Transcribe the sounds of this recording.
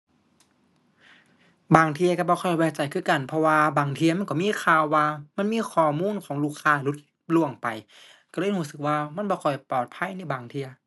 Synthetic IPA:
baː˨˩ŋt̪ʰi˧ɐ˧ka˧˩bɔː˧kʰɔ˧˩jwɛː˧˩t͡ɕa˨˩jkʰɯː˧˥˩ka˨˩npʰɔ˧waː˧baː˨˩ŋt̪ʰi˧ɐma˧˥˨nkɔː˧˩miː˧˥˨kʰaː˧˨wːaː˧ma˧˥˨nmiː˧˥˨kʰɔː˧˩muː˧˥˨nkʰɔː˨˦ŋluː˧˥˩kʰaː˧˩lu˧˦˥t̪̚ | lu˧˩əŋpa˨˩j | ka˧˩lɤː˧˥˨jhuː˧˩˨sɯ˨˩k̚waː˧ma˧˥˨nbɔː˧˦kʰɔ˨˩jpɔː˨˩t̪̚pʰa˧˥˨jna˧˩˨baː˨˩ŋt̪ʰi˧ɐ

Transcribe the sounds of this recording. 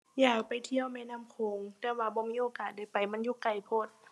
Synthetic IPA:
jaː˧˩k̚pa˨˩jt̪ʰi˧˨əwmɛː˧˥˨naː˧˥˨mkʰoː˨˧˦ŋt̪ɛː˧˩waː˧bɔː˧˦miː˧˥˨ʔoː˧˦kaː˨˩t̪̚da˧˩jpa˨jma˧˥˨njuː˧˥˨ka˨˩jpʰo˧˥˩t̪̚

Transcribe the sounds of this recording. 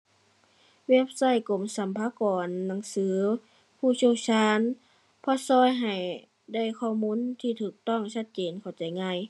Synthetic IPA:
weː˧˥˩p̚sa˧˩˨jko˨˧˩msa˨˧˦mpʰaː˧˦kɔː˨˩nːa˨˦ŋsɯː˨˦ | pʰuː˧˩siː˧˩˨wt͡ɕʰaː˧˥˨n | pʰɔ˧˥sɔː˧˥˨jɦa˨˩j | da˧˥˩jkʰɔː˧˩muː˧˥˨nt̪ʰiː˧˩t̪ʰɯː˨˩k̚t̪ɔ˥˨ŋsa˧t̪̚t͡ɕeː˨nkʰa˨˩wt͡ɕa˨jŋaː˧˩˨j

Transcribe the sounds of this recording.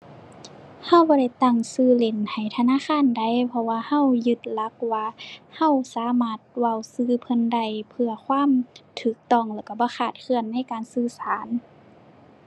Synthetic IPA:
ha˧˨wbɔː˧˦da˧˩jt̪a˧˩ŋsɯː˧˩le˨˧˩nha˨˩jt̪ʰa˧naː˧˥˨xaː˧˥˨nda˧˩jpʰɔ˧waː˧ha˧˥˨wjɯ˧˦t̪̚la˧˦k̚waː˧ha˧˥˨wsaː˨˦maː˧˩t̪̚wa˧˩˨wsɯː˧˨pʰɤ˧˥˨nda˧˩jpʰɯ˧ɐkʰwaː˧˥˨mt̪ʰɯː˨˩k̚t̪ɔ˧˩˨ŋlɛː˧˩wka˧˩bɔː˧˦xaː˧˩t̪̚kʰɯ˧˩ənːa˧˥˨jkaː˨nsɯː˧saː˨˦n

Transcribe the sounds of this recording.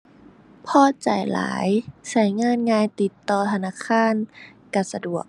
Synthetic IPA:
pʰɔː˧˥˨t͡ɕa̰˨˩jla̰ː˨˦jsa˧˩jŋaː˧˥˨nŋaː˧jt̪i˨˧˦t̪ːɔː˧t̪ʰa˧naː˧˥˨kʰaː˧˥˨nka˧˩sa˧du˨˩ək̚

